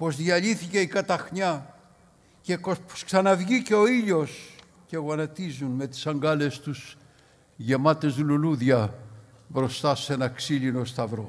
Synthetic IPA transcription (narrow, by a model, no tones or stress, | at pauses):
po̞zðjɐʎiθice̞ikɐt̪ɐxɲɐ | cekopo̥sksɐnɐvʝiceo̞iʎo̞s | ce̞ɣoɐnɐt̪izunme̞t̪i̥sɐŋɡɐle̞st̪us | ʝe̞mɐt̪e̞zðululuðʝɐ | bɾo̞st̪ɐse̞nɐksilino̞st̪ɐvɾo̞